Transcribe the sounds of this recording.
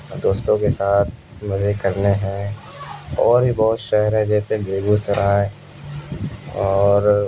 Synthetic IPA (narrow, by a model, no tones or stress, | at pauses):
d̪oːst̪õkesaːt̪̚ʰ | mɐzekɐɾneɦɛ̃ | ɔːɾbibɔːʊt̪ʃɛɦəɾɦɛ̃d͡ʒɛːsebeːɡusɐɾaɛ̃ | ɔːɾ